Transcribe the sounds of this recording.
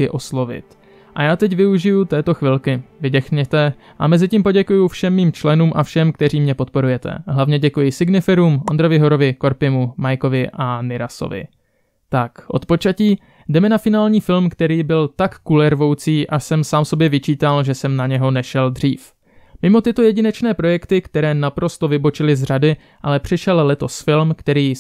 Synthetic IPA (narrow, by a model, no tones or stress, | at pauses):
ɪʔo̞slo̞vɪ̰t̪ | ʔajaːt̪ɛcvɪuʒɪjut̪ɛːt̪o̞xvɪlkɪvɪdɛxɲɛt̪ɛ | ʔamɛzɪciːmpo̞ɟɛkujufʃɛmːiːmt͡ʃlɛnuːmʔafʃɛmk̚t̪ɛriːmɲɛpo̞t̪̚po̞ɾujɛt̪ɛ̰ɦlavɲɛɟɛkujɪsɪɡnɪfɛɾuːmʔond̪ɾo̞vɪɦo̞ɾo̞vɪko̞ɾpɪmumajko̞vɪʔanɪɾaso̰vɪ̰ | t̪akʔo̞̰t̪po̞t͡ʃaciː | dɛmɛnafɪnaːlɲiːfɪlmkt̪ɛɾiːbɪlt̪akːulɛɾvo̞wt͡siːʔasɛmsaːmso̞bjɛvɪt͡ʃiːt̪alʒɛsɛmnaɲɛɦo̞nɛʃɛld̪r̝iːf | mɪmo̞t̪ɪt̪o̞jɛɟɪnɛt͡ʃnɛːpɾo̞jɛkt̪ɪkt̪ɛɾɛːnapɾo̞st̪o̞vɪbo̞t͡ʃɪlɪzr̝adɪ | ʔalɛpr̝̥ɪʃɛllɛt̪o̞sfɪlmkt̪ɛɾiː